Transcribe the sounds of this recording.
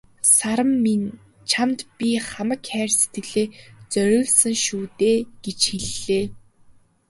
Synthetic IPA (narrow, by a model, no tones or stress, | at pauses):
saɾə̆mːin | t͡ɕʰamt̪pʲiχamə̆kxæːrse̥t̪ɘ̆ɮeːt͡sœɾʲʊːɮsə̆ŋʃuːt̪eːɡ̥et͡ɕxeɮːeː